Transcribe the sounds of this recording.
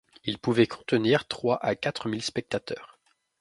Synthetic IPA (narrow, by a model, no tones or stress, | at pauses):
ilpuvɛkʰɔ̃t̪əniːʁt̪χwaʔakat̪χəmilspɛk̚t̪at̪œːʁ